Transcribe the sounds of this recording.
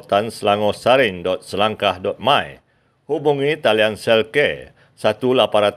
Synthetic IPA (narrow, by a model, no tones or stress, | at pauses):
t̪ansəlaŋɔsaɾɪŋdɔt̪̚səlaŋkahdɔt̪̚mãj | hubuŋit̪aliansɛlke | sat̪ulapaɾat̪